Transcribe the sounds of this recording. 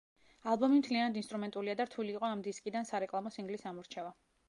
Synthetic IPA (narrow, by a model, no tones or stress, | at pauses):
alˠbɔmimt̪ʰlianad̪inst̪ʼɾumɛnt̪ʼuliad̪aɾt̪ʰuliːqʼɔamd̪iskʼid̪ansaɾɛkʼlˠamɔsiŋɡlisamɔɾt͡ʃʰɛva